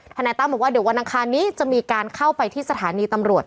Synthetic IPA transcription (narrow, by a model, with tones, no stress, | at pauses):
t̪ʰa˧nɛː˧t̪a˥˩bɔː˨˩waː˥˩di˩˦wa˧nʔa˧ŋkʰaː˧nːiː˦˥t͡ɕa˨˩miː˧kaː˧nkʰa˥˩wpa˧jt̪ʰiː˥˩sa˧t̪ʰaː˩˦niː˧t̪a˧mɾu˨˩ət̪̚